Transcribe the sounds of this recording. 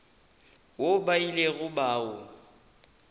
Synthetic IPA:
wobaileɣʊbaːʊ

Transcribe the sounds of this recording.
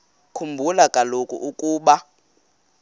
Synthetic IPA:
kʰumbʱulakʼalokʼṵʔukʼuːɓa

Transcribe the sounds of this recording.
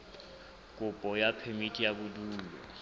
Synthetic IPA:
kʼʊpʼɔjapʰemitʼijabʊduːlɔ̰

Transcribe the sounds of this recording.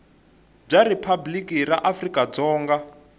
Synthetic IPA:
b͡ʐaɾipʰablikʼiraʔafrikʼad͡zɔːŋɡa

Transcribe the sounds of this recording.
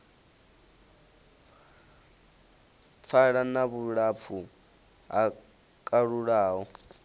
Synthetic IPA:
p̪fʰaɺanaβuɺap̪fʰu | ɦa | kʼaɺuɺaːɦɔ

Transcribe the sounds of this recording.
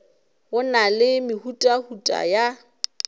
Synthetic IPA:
ʊnalɪmɪhutʼahutʼa̰ja

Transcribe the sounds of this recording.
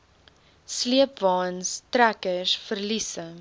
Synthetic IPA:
sliəp̚vɑːnstrækəsfərlisə

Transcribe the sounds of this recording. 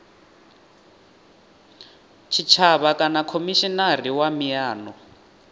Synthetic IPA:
t͡ʃʰit͡ʃʰaβakʼanakʰomiʃinariwamijaːnɔ

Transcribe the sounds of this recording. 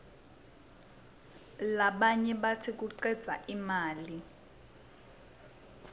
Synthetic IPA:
laɓaɲɛɓatʰik̬uǀɛd̥z̥ʱaʔimaːli

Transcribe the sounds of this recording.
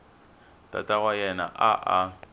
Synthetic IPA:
tʼa̰tʼaɣwajɛna̰ʔaʔa

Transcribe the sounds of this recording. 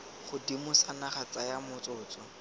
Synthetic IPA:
χʊdimʊsanaχat͡sajamʊt͡sʊːt͡sɔ

